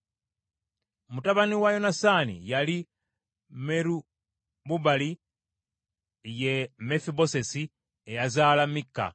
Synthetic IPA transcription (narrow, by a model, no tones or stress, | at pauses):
mutaβaniwajo̞nasanḭjali | meɾu | buβali | je̞mefibo̞se̞si | ejazaːlamikːa̰